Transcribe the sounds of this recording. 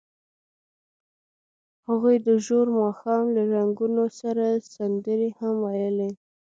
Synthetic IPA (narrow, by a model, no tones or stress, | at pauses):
haɣujd̪əʒoɾmɑxɑmlaɾaŋɡunosaɾasand̪əɾehamwajəle